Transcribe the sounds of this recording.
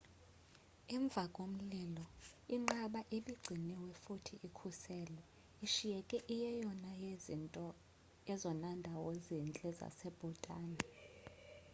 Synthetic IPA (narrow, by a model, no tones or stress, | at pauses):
iɱb̪vʱakʼom̩liːlɔiŋ͡ǃaɓaʔeɓiɡ͡ǀʱinɛwɛfutʰiʔikʰusɛːlɛ | iʃijɛkʼɛʔijɛjɔnaɔ | jɛzɔnandʱawɔzint͡ɬʼɛza̰sɛb̥ʱutʼaːni